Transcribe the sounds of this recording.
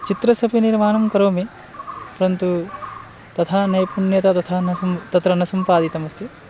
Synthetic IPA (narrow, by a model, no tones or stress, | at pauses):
t͡ʃit̪ɾɐsɐpiniɾmaːnɐmkɐɾoːme | pɐɾɐnt̪u | t̪ɐt̪ʰanɐjpuɳjɐt̪at̪ɐt̪ʰaːnɐmt̪ɐt̪ɾɐnɐsɐmpaːd̪it̪ɐmɐst̪je